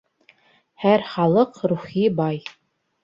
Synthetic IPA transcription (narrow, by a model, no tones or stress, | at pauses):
hæɾχɑlˠɤqɾuχibɑj